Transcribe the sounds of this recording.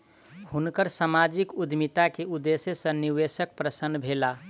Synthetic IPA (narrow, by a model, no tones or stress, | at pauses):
hunkəɾsamad͡ʒikud̪mit̪akeud̪esesə̃niwesək̚pɾəsənːbʱela